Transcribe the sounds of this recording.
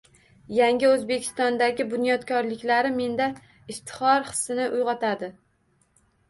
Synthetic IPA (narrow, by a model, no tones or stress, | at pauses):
jaŋʲɪɵzbe̞kʲʰɪ̥st̪ɒnd̪aɡʲɪbʊnjɒd̪kʰɒɾlɪkʲlaɾɪme̞nd̪a | ɪst̪ʰɪ̥χɒɾχɨ̥sːɪnɪʔʊjʁɑt̪ʰad̪ɪ